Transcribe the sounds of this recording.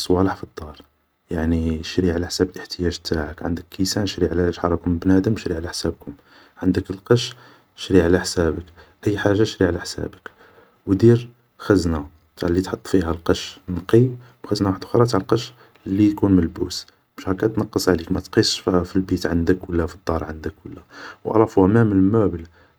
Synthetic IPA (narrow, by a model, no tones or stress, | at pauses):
sˤwɑləħfid̪ˤːɑɾˤ | jaʕniʃɾiʕalæħsæbəlʔəħt̪əjæʒt̪aʕəkʕə̰nd̪əkːisænʃɾiʕlæʃħɑɾˤɑkʊmbnæd̪əmʃɾiʕalæħsæb̚kʊm | ʕənd̪əkəlqɑʃ | ʃɾiʕalæħsæbəkʔəjːħaʒːaʃɾiʕalæħsæ̰bək | wd̪iɾ | xəznæ | t̪aʕlːit̪ħɑt̪ˤːfiɦælqɑʃnqiwxəznæwaħəd̪xɾˤɑt̪aʕlqɑʃ | lːijkunməlbus | məʃhækæt̪nɑqːəsˤʕlikmæt̪qisʃffilbit̪ʕənd̪əkwəlːæfid̪ˤːɑɾˤʕənd̪əkwəlːæwʔɑ̰lˤɑfuʔæmæməlmæbəl